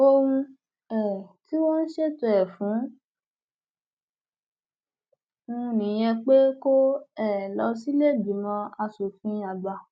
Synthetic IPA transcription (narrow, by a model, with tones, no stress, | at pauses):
o˧wũ˧ | ɛ˨ti˦wɔ˦n̩˦ʃe˦˨to˧˨ɛ˨fũ˨˦ | ũ˧nĩ˨j̃ɛ̃˧k͡pe˦ko˦ɛ˦˨lɔ˧˦si˦le˦˨bi˨mɔ̃˧a˧so˨fĩ˧a˨ɡ͡ba˨